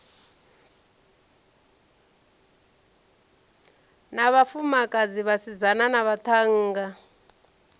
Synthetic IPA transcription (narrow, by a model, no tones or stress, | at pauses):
naβafumakʼad͡ziβasizananaβat̪ʰaŋ̩ːɡa